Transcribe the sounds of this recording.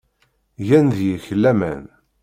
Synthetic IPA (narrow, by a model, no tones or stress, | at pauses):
jænðjəçəlːæmæ̰n